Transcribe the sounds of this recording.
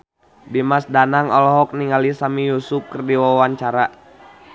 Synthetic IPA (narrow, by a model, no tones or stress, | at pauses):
dimasdanaŋɔlɔɦɔk̚niŋalisamijusup̚kərdiwawaɲt͡ʃaɾa